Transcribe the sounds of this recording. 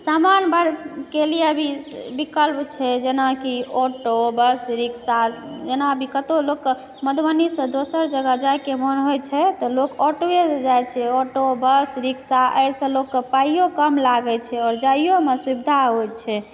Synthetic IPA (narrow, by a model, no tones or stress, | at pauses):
samanbaɾkeliəbʱibikəlpt͡ʃʰɛd͡ʒenakiɔʈobəsɾiksad͡ʒenabʱikət̪olokː | məd̪bənisə̃d̪osəɾd͡ʒəɡəd͡ʒajkemənɦojt͡ʃʰɛt̪ɔlokɔʈoed͡ʒajt͡ʃʰɛɔʈobəsɾiksaʔə̰jsə̃lokːepaijokəmlaɡɛt͡ʃʰɛɔːɾd͡ʒaijomesubid̪ʱaɦojt͡ʃʰɛ